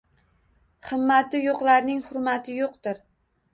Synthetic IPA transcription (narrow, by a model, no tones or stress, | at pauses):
χɨmːat̪ɪjoqlaɾnɪŋhʊɾmat̪ʰɪjoqt̪ɪɾ